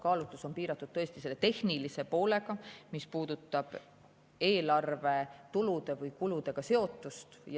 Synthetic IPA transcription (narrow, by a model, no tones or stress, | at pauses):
kɑːlut̪ːˑuso̞npiːɾɑt̪ːˑud̪̥̚t̪ɤ̞est̪ise̞lːet̪e̞hnilise̞po̞ːle̞ɡɑmispuːd̪̥ut̪ˑːɑb̥ | e̞ːlɑrve̞t̪ulud̪̥e̞vɯjkulud̪̥e̞ɡ̥ɑse̞o̞t̪ːˑust̪j